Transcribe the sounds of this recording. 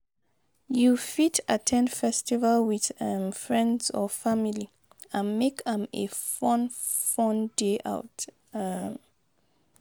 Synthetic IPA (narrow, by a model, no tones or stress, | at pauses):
jufitʰatʰɛ̃ndfɛstivalwiðɛmfɹɛ̃ndzɔfamili | ãnmekɛ̃mḛfɔ̃nfɔ̃ndeʔa̰ʊt | m